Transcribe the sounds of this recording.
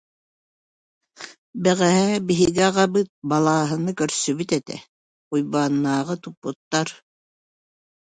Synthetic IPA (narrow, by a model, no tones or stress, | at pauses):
bɛʁæɦæbiɦiɡɛʁɑbɯt̪̚bɑlˠɑːɦɯ̆nɯkœɾsyβyt̪ɛt̪ɛ̰ | ujbaːnːaːʁɤt̪upːut̪ːɑɾ